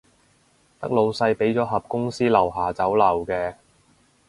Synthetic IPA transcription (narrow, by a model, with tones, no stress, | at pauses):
t̪ɐ̰˥k̚lo˨˧wsɐ˧jpe˨˥jt͡sɔː˨˥ɦɐ˨p̚kʊ˥ŋsiː˥lɐ˨˩wɦaː˨t͡sɐ˨˥wlɐ˨˩wkɛː˧